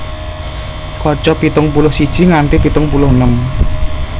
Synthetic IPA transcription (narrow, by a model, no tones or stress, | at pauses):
kɔt͡ʃɔpit̪ʊŋpulʊhsid̥ʒ̥i̤ŋant̪ipit̪ʊŋpulʊhnəm